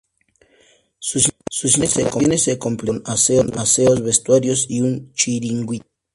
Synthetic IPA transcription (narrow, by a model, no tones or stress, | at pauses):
susus̬esekonesekomplenaseonaseozβest̪waɾjosiunt͡ʃiɾiŋɡwit̪̚